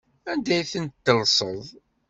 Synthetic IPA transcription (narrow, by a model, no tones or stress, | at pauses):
ænd̪æjθənt̪ːəlsˤə̰ðˤ